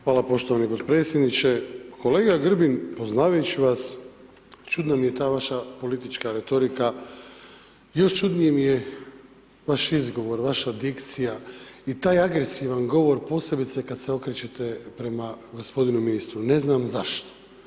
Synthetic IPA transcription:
xʋaːlapo̞ʃt̪o̞ʋanipot̪pɾet̪sʲjed̪nit͡ʃe̞kʰo̞le̞ːɡaɡr̩binpo̞znaːʋajut͡ɕiʋas | t͡ʃud̪namije̞t̪aːʋaʃapo̞lit̪it͡ʃkaɾe̞t̪o̞ɾika | jo̞ʃt͡ʃud̪nijemije | ʋaʃizɡo̞ʋo̞ɾʋaʃad̪ikt̪sijait̪aːjaɡɾesiʋanɡo̞ʋo̞ɾpo̞se̞bit̪sekad̪seo̞kɾet͡ɕe̞t̪epɾe̞maɡo̞spo̞d̪inuminist̪ɾune̞znaːmzaʃt̪o̥

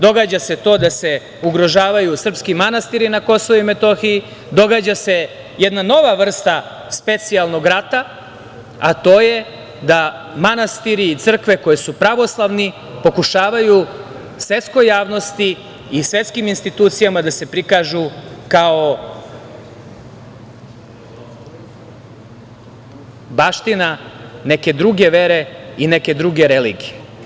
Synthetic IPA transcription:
d̪o̞ɡaːd͡ʑase̞t̪o̞ːd̪ase̞ | uɡɾo̞ʒaːʋajusr̩pskimanast̪iɾinako̞soʋuime̞t̪o̞xiji | d̪o̞ɡaːd͡ʑase̞ | jed̪nano̞ʋaʋr̩st̪a | spe̞t̪sialˠnoɡɾat̪a | at̪o̞ːje̞ | d̪amanast̪iɾiːt̪sr̩kʋe̞ko̞jesupɾaʋo̞slˠaʋni | po̞kuʃaːʋaju | sʋe̞t̪sko̞jaːʋno̞st̪iː | sʋe̞t̪skiminst̪it̪uːt̪sijamad̪ase̞pɾikaʒukao | baːʃt̪inaneke̞d̪ɾuɡe̞ʋeɾe̞ineke̞d̪ɾuɡeɾelḭːɡije

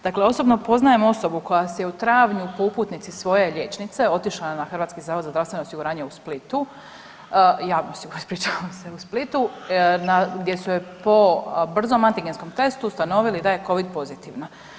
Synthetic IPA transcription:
d̪̥akle̞o̞so̞bno̞po̞znaje̞mo̞so̞buko̞jasejeut̪ɾaːʋɲupouput̪nit̪sisʋo̞je̞ʎʲet͡ʃnit̪se̞o̞t̪iʃlanaxr̩ʋaːt̪kizaːʋod̪zazd̪ɾaʋst̪ʋe̞noosiɡuɾaːɲeusplit̪u | jaːnosiɡuɾspɾit͡ʃaʋamseusplit̪unaɡd̪je̞supo̞br̩zomant̪iɡensko̞mt̪e̞st̪ust̪ano̞ʋilid̪aje̞ko̞ʋid̪̚po̞zit̪iʋna

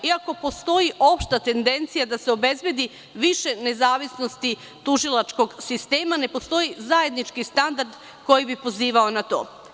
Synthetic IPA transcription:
iako̞po̞st̪o̞jiʔo̞pʃt̪at̪e̞nd̪e̞nt̪sijad̪aseo̞be̞zbje̞d̪i | ʋiʃe̞ne̞zaːʋisno̞st̪i | t̪uʒilˠat͡ʃko̞ɡsist̪e̞ːmane̞po̞st̪o̞jizajed̪nit͡ʃkist̪and̪aɾd̪ | ko̞jibipo̞ziːʋaonat̪o̰ː

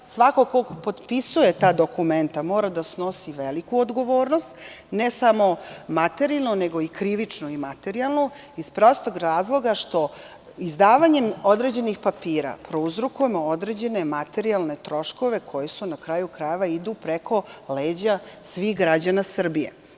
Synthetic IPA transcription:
sʋakokoɡpo̞d̪pisuje̞t̪aːd̪o̞kume̞nt̪amo̞ːɾad̪asno̞siʋelikuod̪ɡo̞ʋo̞ːɾnost̪ | nesamo̞mat̪e̞ɾialˠnoneɡo̞ikɾiʋit͡ʂnoimat̪e̞ɾialˠno | ispɾo̞st̪oɡɾaːzlˠo̞ɡaʃt̪o̞ | izd̪aːʋaɲe̞mod̪ɾe̞d͡ʑe̞nixpapiːɾa̰pɾouzɾukuje̞mood̪ɾed͡ʑe̞ne̞mat̪e̞ɾialˠne̞t̪ɾo̞ʃko̞ʋe̞kʰo̞jesunakɾajukɾajeʋaid̪upɾekʰo̞leːd͡ʑasʋixɡɾad͡ʑanasr̩bijḛ

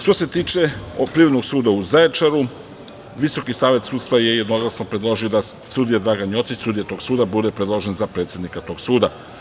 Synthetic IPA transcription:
ʃt̪o̞se̞t̪iːt͡ʃe̞pɾiːɾo̞d̪noɡsuːd̪auzaet͡ʃaɾu | ʋiso̞kisaːʋe̞t̪suːt̪st̪vaje̞je̞d̪no̞ɡlˠasnopɾed̪lˠo̞ʒio̞d̪a | sud̪ijad̪ɾaɡanjo̞t̪sit͡ɕsud̪ijat̪o̞ɡsuːd̪abud̪e̞pɾed̪lˠoʒe̞nzapɾet̪sjed̪nikat̪o̞ːɡsuːd̪a

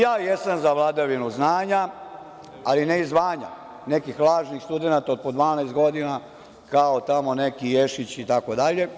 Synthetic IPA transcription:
jaːjesamzaʋlˠad̪aʋinuznaːɲa | alineizʋaːɲa̰ | ne̞kixlˠaːʒnixst̪ud̪enat̪aod̪̚pod̪ʋaːnajst̪̚ɡo̞d̪ina | kaot̪amo̞ne̞kijeʃit͡ɕit̪akod̪aʎe̞

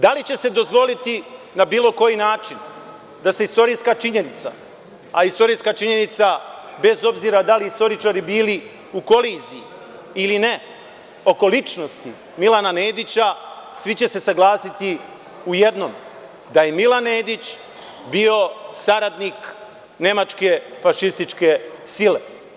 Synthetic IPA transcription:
d̪alit͡ɕe̞se̞d̪o̞zʋo̞lit̪i | nabiːlo̞ko̞jinaːt͡ʃin | d̪aseist̪o̞ɾiːskat͡ʃiɲe̞nit̪sa̰ | aist̪o̞ɾijskat͡ʃiɲe̞nit̪sabe̞zo̞bziːɾad̪aliist̪o̞ɾit͡ʃaɾibiːli | uko̞liːzijiː | line̞ | o̞ko̞lit͡ʃno̞st̪i | milanane̞ːd̪it͡ɕasʋit͡ɕe̞se̞saɡlˠaːsit̪i | uje̞d̪nom | d̪aje̞milanːe̞ːd̪it͡ɕ | bio̞saɾad̪nik | ne̞mat͡ʃke̞faʃist̪it͡ʃke̞sile̞

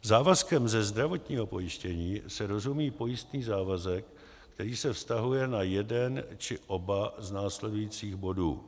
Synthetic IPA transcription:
zaːvaskɛmzɛzd̪ɾavo̞t̪ɲiːɦo̞po̞jɪʃcɛɲiːsɛɾo̞zumiːpo̞jɪst̪niːzaːvazɛkː | t̪ɛɾiːsɛfst̪aɦujɛnajɛdɛnt͡ʃɪʔo̞baznaːslɛdujiːt͡siːɣbo̞dṵː

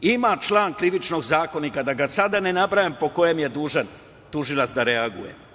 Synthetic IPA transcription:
imat͡ʃlˠaːnkɾiʋit͡ʃno̞ɡzaːko̞nikad̪aɡasad̪ane̞nabɾajampo̞ko̞jemje̞d̪uːʒan | t̪uʒilˠat̪sd̪aɾeaɡujḛ

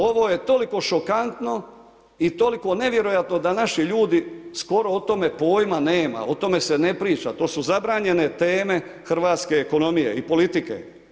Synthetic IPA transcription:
o̞ʋo̞je̞t̪o̞liko̞ʃo̞kant̪no̞ | it̪o̞liko̞ne̞ʋje̞ɾojat̪no̞d̪anaʃiʎuːd̪isko̞ɾo̞ot̪o̞me̞po̞ːjmane̞ːma̰o̞t̪o̞me̞se̞ne̞pɾiːt͡ʃa̰t̪o̞ːsuzabɾaːɲe̞ne̞t̪eːme̞ | xr̩ʋaːt̪ske̞ːko̞no̞mije̞̰ipo̞lit̪ikḛ

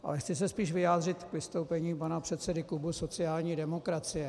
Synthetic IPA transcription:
ʔa̰lɛxt͡sɪs̬ɛspiːʃvɪjaːd̪rɪt̪kvɪst̪owpɛɲiːpanapr̥ɛt̪sɛdɪklubuso̞t͡sɪaːlɲiːdɛmo̞kɾat͡sɪjɛ

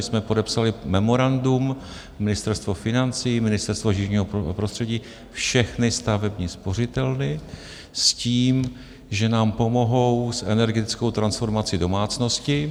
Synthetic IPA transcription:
smɛpo̞dɛpsalɪmɛmo̞ɾandum | mːɪnɪst̪ɛɾst̪vo̞fɪnant͡simɪnɪst̪ɛɾst̪voʒɪʒɲiːɦopɾost̪r̥ɛɟiː | fʃɛxnɪst̪avɛbɲiːspo̞r̝ɪt̪ɛlnɪ | sciːm | ʒɛnaːmpo̞mo̞ɦo̞wsʔɛnɛɾɡɛt̪ɪt͡sko̞wt̪ɾansfo̞ɾmat͡sɪdo̞maːt͡sno̞scɪ

